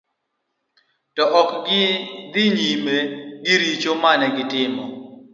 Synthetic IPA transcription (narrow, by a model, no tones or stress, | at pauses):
tɔʔɔk | d̪ɪɲimeɡɪɾit͡ʃomanɛɡɪtɪmɔ